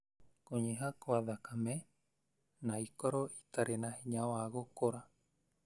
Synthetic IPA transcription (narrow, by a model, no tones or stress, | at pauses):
koɲeɦakoaðakamẽ | nãikoɾoi̥t̪aɾenãheɲãoaɣokoɾa